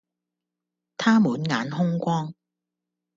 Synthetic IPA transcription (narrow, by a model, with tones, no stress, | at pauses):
t̪ʰaː˥muː˨˥nŋaː˨˧nɦʊ˥ŋkʷɔː˥ŋ